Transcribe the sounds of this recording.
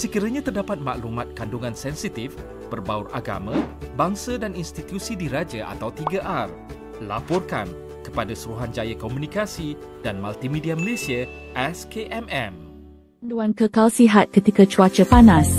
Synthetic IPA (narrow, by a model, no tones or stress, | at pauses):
səkiɾaɲãt̪ərdapat̪̚ma̰ʔlumat̪̚kanduŋãnsɛnsit̪if | pərbaurʔa̰ɡa̰mãbaŋsadaninst̪it̪jusidiɾad͡ʒaʔa̰t̪awt̪iɡaʔar | la̰pɔrka̰n | kəpadasuɾuɦand͡ʒajakomũnikasidanmalt̪imĩdiaməlesiaʔɛskeʔɛmɛm | anduankəkalsiɦat̪̚kət̪ikat͡ʃuat͡ʃəpanas